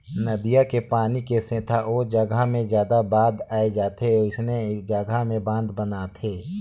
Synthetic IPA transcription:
nəd̪ijakepaːnikesẽːt̪ʰaʔoːd͡ʒəɡamẽzjaːd̪abaːd̪aːed͡ʒaːt̪ʰeɪsned͡ʒəɡʱamẽbãːnd̪bənat̪ʰeː

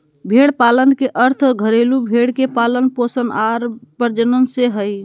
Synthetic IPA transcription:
bʱeɽpalənkeʔəɾt̪ʰɡʱəɾelubʱeɽkepalənposənaɾpəɾd͡ʒənənseɦəj

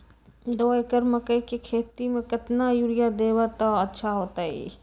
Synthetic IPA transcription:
d̪oːekəɾməkəikikʰeːt̪imẽkɪt̪najuɾɪjad̪eːwat̪aɐtːʃʰaɦoːt̪aɦḭː

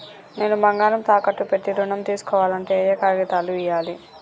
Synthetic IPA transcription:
ne̞ːnubɐŋɡaːɾɐmt̪aːkɐʈːupeʈːiɾuɳɐmt̪iːsu̥kɔːʋaːlɐɳʈeːjɐkaːɾɡɐt̪aːluijaːli

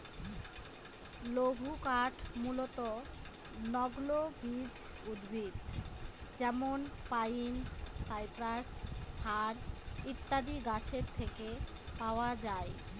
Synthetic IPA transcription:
loɡʱukaʈʰmulot̪o | nɔɡlobid͡ʑud̪bʱit̪ | d͡ʑɛmonpajinsajpɾastʰaɾit̪ːad̪iɡat͡ɕʰeɾt̪ʰeke | paoad͡ʑae

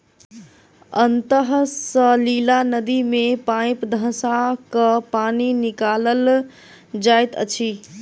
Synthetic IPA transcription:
ənt̪əɦsəlilanəd̪imepãj̃pd̪ʱə̃sakəpaninikaləl | d͡ʒajt̪ə̰t͡ʃʰi

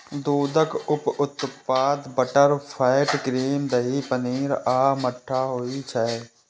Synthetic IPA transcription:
d̪uːd̪əkʊpʊt̪paːd̪bəʈəɾfʰaːɪʈkɾiːmd̪əɦiːpəniːɾaːməʈʰːaːɦoːit͡ʃʰɛ

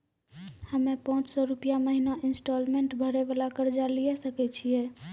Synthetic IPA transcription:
həmepãt͡ʃsɔɾupijaməɦinaʔinsʈolmeɳʈbʱəɾɛbalakəɾd͡ʒalijɛsəkɛt͡ʃʰijɛ

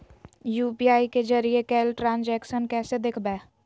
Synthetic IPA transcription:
juːpiaːiked͡ʒəɾiekɛːlʈɾãːnd͡ʒɛːkʃənkɛːsed̪ekʰbɛː

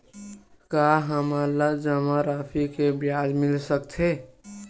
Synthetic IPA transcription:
kaɦəmalad͡ʒəmaɾapʰikebjad͡ʒmɪlsəkt̪ʰe

